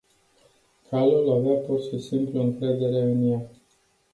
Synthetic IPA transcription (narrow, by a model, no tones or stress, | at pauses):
kʰalulaveapurʃisimpluɨŋkɾe̞d̪e̞ɾe̞ɨnja